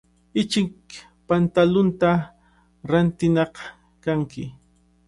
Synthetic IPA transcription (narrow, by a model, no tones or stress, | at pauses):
ɪt͡ʃɪk̚ | pant̪alʊnt̪a | ɾant̪ɪnɑq | kaŋkɪ